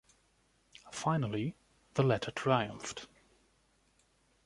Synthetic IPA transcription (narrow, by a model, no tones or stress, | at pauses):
faɪ̃nəlˠi | ðəlɛtʰətʰɹ̥aɪə̃ɱft